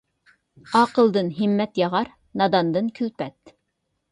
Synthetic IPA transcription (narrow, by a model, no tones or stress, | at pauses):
ɑːqəlˠd̪ɨnɦimːɛt̪jɑʁɑɾ | nɑd̪ɑnd̪ɨnkʲʰylpɛt̪